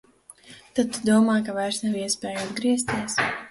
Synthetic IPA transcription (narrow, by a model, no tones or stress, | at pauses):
t̪ad̪̚t̪ːud̪uɔmaːjkavajɾsnawiɛspɛːjuad̪ɡɾiɛst̪iɛs